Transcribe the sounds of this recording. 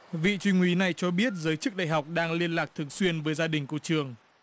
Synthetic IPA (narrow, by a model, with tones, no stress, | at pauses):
vḭ˧˨t͡ɕwï˧ŋ̟wi˨˦na˨˩jt͡ɕɔ˧ɓi˦˥ət̚zəː˨˦jt͡ɕɨ˦˥k̚ɗa̰ː˧˨jɦa˨˩wk͡p̚ɗaː˧ŋli˧ənlaː˨˩k̚t̪ʰɨ˨˩əŋswi˧ənvəː˨˦jzaː˧ɗï˨˩ŋ̟ku˧˩t͡ɕɨ˨˩əŋ